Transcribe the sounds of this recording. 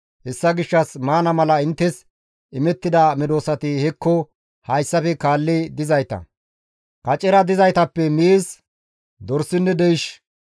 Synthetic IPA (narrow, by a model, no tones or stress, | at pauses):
hɛsːɐɡɪʃːɐsmaːnɐmɐlɐɪnt̪ːɛs | ɪmɛt̪ːɪd̪ɐmɪd̪o̞ːsɐt̪ɪhɛkːɔ | hɐjsːɐfɛkaːlːɪd̪ɪzɐjt̪ɐ̰ | kɐt͡ʃʼːɛɾɐd̪ɪzɐjt̪ɐpːɛmiːs | d̪ɔɾsːɪnːɛd̪ɛjɪʃ